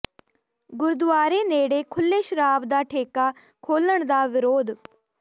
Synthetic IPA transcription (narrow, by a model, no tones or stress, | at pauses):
ɡʊɾd̪ʋaːɾeːneːɽekʰʊlːeːʃɾaːbd̪aːʈʰeːka | kʰoːləɳ̃d̪aːʋɪɾoːd̪